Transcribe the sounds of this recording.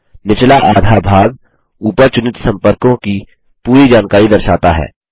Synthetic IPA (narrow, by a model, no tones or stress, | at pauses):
nɪt͡ʃlaʔaːd̪ʱabʱaːɡ | uːpəɾt͡ʃʊnɪt̪sɐ̃mpəɾkõki | puːɾid͡ʒaːnkaːɾid̪ɐɾʃaːt̪aɦɛ̰ː